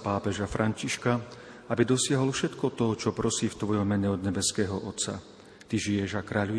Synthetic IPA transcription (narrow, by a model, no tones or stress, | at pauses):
paːpɛʒafɾʔaɲciʃka | abid̪ɔsɪaɦɔlfʃɛt̪kɔt̪ɔt͡ʃɔpɾɔsiːft̪ʋɔjɔmmɛɲɛɔd̪ɲɛbɛskɛːɦɔʔɔt̪sa̰ | t̪iʒijɛʒakɾaːʎu